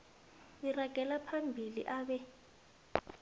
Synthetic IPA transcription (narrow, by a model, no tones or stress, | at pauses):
iraɡ̥ʱɛlapʰambʱilḭʔaːɓɛ